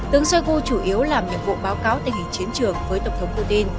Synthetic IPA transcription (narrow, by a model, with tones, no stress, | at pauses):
t̪ɨ˨˦əŋswə˧jɣu˧t͡ɕu˧˩ʔi˨˦əwlaː˨˩mɲɨ̰˧˥ŋɓo̰˧˨ɓaː˨˦wkaː˨˦wt̪ï˨˩ŋ̟hi˧˩ŋt͡ɕi˨˦ənt͡ɕɨ˨˩əŋvəː˨˦jt̪ə˧˩wŋ͡mt̪ʰwŋ͡mpu˧t̪i˧n